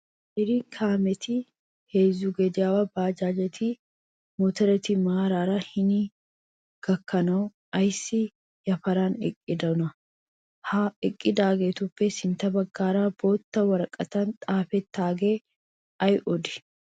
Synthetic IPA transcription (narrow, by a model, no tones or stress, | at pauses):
ʔɪɾiːŋkʰaːmɛt̪ɪ | heːzːuɡɛd̪ɪjaːwɐbaːd͡ʒaːd͡ʒɛt̪ʰi | mɔt̪ɐɾɐt̪imaːɾaːɾahɪni | ɡ̥ɐkːɐnɐ | ɐjsɪ | jɐfɐɾaːnɛ̰kʼːɪd̪ɐnɐ | haɪkʼːɪd̪aːɡeːt̪ʊpːɛsɪnt̪ɐbɐɡːaːɾaːbo̞ːt̪ːɐwɐɾɐkʼːɐt̪ɐnt̪ʼaːfɛt̪ːaːɡeː | ɐjʔɔd̪ɪ̥